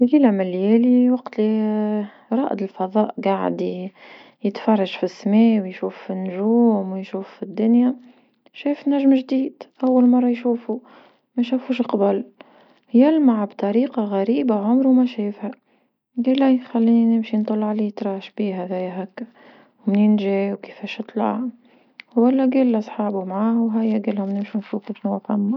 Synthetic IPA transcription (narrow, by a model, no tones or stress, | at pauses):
liːlamɪlːjæːliwɑqt̪li | ɾˤɑːʔd̪əlfɑðˤɑːʔɡaʕ̰d̪i | jət̪fɑrˤːɑʒfisːmɛːwjʃuːfːinːʊʒuːmwjʃuːffid̪ːʊnjæ | ʃæːfnæʒmʒd̪iːd̪̥ʔæwːalmɑrˤːɑjʃuːfu | mæʃæfuːʃqɑbʊl | jælmaʕbt̪ˤɑɾiːqɑɣæɾiːbaʕʊmɾumæʃæjɪfhæ | ɡiːlːæxælːiːninɪmʃint̪ˤɑlːɑʕliːt̪ɾˤɑːʃbiːɦæðæjːɦækːæ | wmninʒæːwki̥fæːʃɨt̪ˤlɑ̰ʕ | wælːæɡilːæsˤħɑːbumʕaːwɦæjːæɡilhʊmnɪmʃunfuːkifnufɑmːa